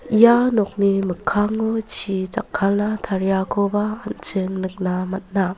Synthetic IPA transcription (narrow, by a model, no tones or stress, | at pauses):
ijanɔk̚nimɯkʰːaŋːot͡ʃʰizakʰːalnatʰaɾjakʰobaːnt͡ʃɯŋnɯk̚namat̚na